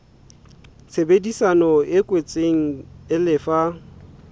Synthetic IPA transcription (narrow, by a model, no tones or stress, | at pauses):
sebedisanɔɪkʼwet͡sʼeŋ̩ɪlɪfa